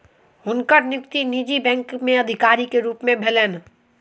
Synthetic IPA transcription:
ɦʊnkəɾnjʊkt̪iniːd͡ʒibɛ̃ːŋkmẽɐd̪ʱɪkaːɾikeɾuːpmẽbʱeleːn

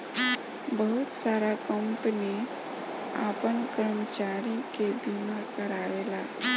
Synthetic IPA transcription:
bəɦut̪saɾakəmpəni | a̰pənkəɾmət͡ʃaɾikebimakəɾaɾela

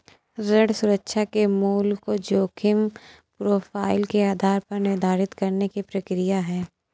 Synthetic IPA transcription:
ɾɐɽsʊɾəkʃʰakemuːlkod͡ʒoːkʰɪm | pɾoːfaːɪlkeaːd̪ʱaːɾpɐɾnɪɾd̪ʱaːɾɪt̪kɐɾnekipɾɐkɾijaɦɛː

